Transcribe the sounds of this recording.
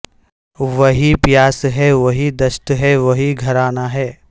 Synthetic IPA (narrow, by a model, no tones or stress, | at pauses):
ʋɐɦipjaːsɦɛʋɐɦid̪ɐʃt̪ɦɛʋɐɦiɡʱɐɾaːnaɦɛː